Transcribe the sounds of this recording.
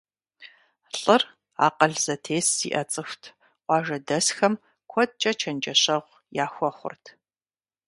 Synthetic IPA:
ɬʼɨr | a̰ːqɐɮz̥ɐtʰeːsḭːʔɐt͡sʼɨxʷtʰ | qʷɑːʒɐdɐsxɐm | kʷʰɔd̚t͡ʃʼɐt͡ʃʰɐnd͡ʒɐɕɐʁʷ | jaːxʷɔχʷʊ̰rtʰ

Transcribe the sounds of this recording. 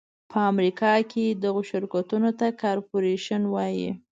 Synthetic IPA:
pʰəamɾikʰɑkʰed̪aɣoʃɪɾkat̪unot̪akɑɾpoɾeʃənwɑjḭ

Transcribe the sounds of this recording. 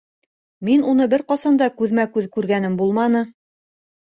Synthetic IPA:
minun̪ɤbɘɾqɑsɑnd̪ɑkʉðmækʉðkʉɾɡænɘmbulˠmɑnɤ

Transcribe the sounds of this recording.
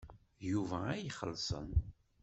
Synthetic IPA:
juvææjχəlːsˤə̰n

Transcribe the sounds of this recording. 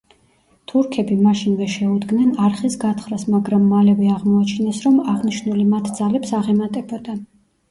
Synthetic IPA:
t̪ʰuɾkʰɛbimaʃinvɛʃɛud̪ɡnɛnaɾχisɡat̪ʰχɾasmaɡɾamːalɛvɛaʁmɔat͡ʃʰinɛsɾɔmaʁniʃnulimat̪ʰd̪zalɛpsaʁɛmat̪ʼɛbɔd̪a

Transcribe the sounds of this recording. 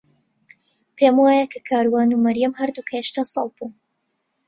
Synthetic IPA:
pʰeːmwaːjɐkʰɐkʰaːɾwaːnumɐɾjɐmhɐɾd̪ukʰɐjeʃt̪aːsɑlˠt̪u

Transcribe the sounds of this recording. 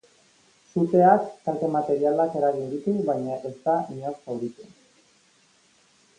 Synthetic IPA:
sut̪e̞akːalt̪e̞mat̪e̞ɾialake̞ɾaɣ̞ind̪it̪uβajɲaʔe̞st̪aiɲosawɾit̪e

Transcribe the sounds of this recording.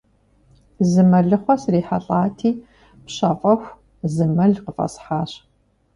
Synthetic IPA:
zɨmɐɮɨχʷɔsriːħaɬʼaːtʰiː | pɕɐfʼɐxʷ | zɨmɐɮqəfʼɐ̰sħaːɕ

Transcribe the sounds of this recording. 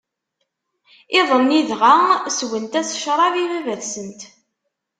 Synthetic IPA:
ɪðˤənːiðʁaswənt̪æsʃɾˤɑvivævæðsənt̪

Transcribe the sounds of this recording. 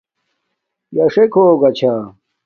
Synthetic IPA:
jɐʂekʰoːɡɐt͡ɕʰa

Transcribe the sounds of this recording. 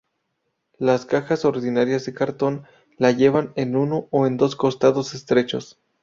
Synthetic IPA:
laskaxaso̞ɾðinaɾjazðe̞kaɾt̪o̞n | laʝe̞βane̞nunooend̪o̞sko̞st̪aðo̞se̞st̪ɾe̞t͡ʃo̞̰s

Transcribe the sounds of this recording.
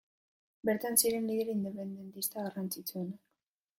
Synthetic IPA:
be̞ɾt̪ansiɾe̞nlið̞eɾind̪e̞pe̞nd̪e̞nt̪ist̪aɣarant͡sit͡sue̞nak

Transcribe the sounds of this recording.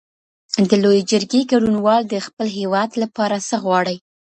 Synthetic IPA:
d̪əlojed͡ʒəɾɡeɡaɽunwɑld̪əxpəlɦewɑd̪lapɑɾasəɣwɑɽəj

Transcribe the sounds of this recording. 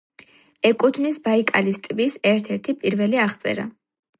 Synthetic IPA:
ɛkʼut̪ʰnisbaikʼalist̪ʼvisɛɾt̪ʰɛɾt̪ʰipʼiɾvɛliaχt̪sʼɛ̰ɾa̰

